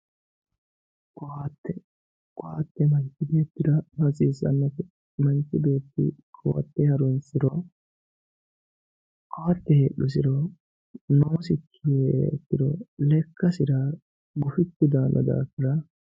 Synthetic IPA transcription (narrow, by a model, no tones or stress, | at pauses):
kɔat̪ːɛ | kʼɔhat̪ːɛmɐnt̪ɪbeːt̪ːɪd̪ɐmɐt͡sʼiːsɐ̰nːɔfɛ | mɐnt̪ɪbe̞ːt̪ːɪ̰ | kʰɔwɐ̰t̪ːɛhɐɾɔnsɪɾɔ | kowɐt̪ːɛheːɗːʊs̬ɪɾɔ | noːsɪkʰːɪeɛt̪ːɪd̪ɔlɛkːɐsɪɾɐ | ɡʊfɪt̪ːɪd̪aːnʔɔ̰d̪a̰ːkːɪɾɐ